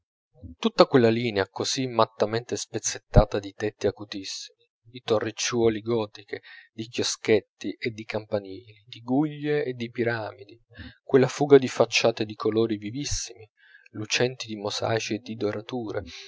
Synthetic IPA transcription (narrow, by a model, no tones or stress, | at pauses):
t̪ut̪ːakwelːaliːneakozimːat̪ːamɛnt̪espet̪sːet̪ːaːt̪ad̪it̪ɛt̪ːiakut̪isːimi | d̪it̪orːet͡ʃːuɔːliɡɔːt̪iked̪ikjosket̪ːiʔed̪ːikampaniːlid̪iɡuʎːeːd̪ːipiɾaːmid̪i | kwelːafuːɡad̪ifat͡ʃːaːt̪ed̪ikʰoloːɾivivisːimi | lut͡ʃɛnt̪id̪imosa̰ːjt͡ʃied̪id̪oɾat̪uːɾḛ